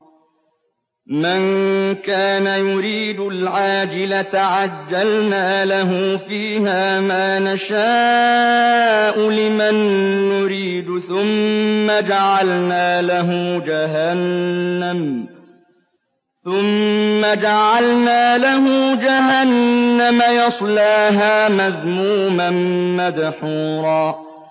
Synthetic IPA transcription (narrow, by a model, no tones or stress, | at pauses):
mɪnkaːnajʊɾiːd̪ʊlʕaːd͡ʒɪlat̪ʕad͡ʒːalnaːlaɦʊfiːhaːmaːnaʃaː | ʔʊlɪmanːʊɾiːd̪θʊmːad͡ʒaʕalnaːlaɦʊd͡ʒaɦanːam | θʊmːad͡ʒaʕalnaːlaɦʊd͡ʒaɦanːamajɑsˤlaːɦaːmaðmuːmanmaðħuːɾˤɑː